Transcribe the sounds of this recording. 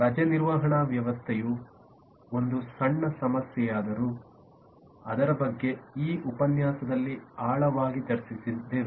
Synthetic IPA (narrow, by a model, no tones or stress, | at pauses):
ɾɐd͡ʒɐniɾʋaɦɐɳɐʋjɐʋɐst̪ʰeju | o̞nd̪usɐɳːɐsɐmɐsjɛjaːd̪ɐɾu | ɐd̪ɐɾɐbɐɡːe̞iːupɐnjaːsɐd̪ɐlːiaːɭɐʋaːɡit̪ɐɾsisid̪eːʋ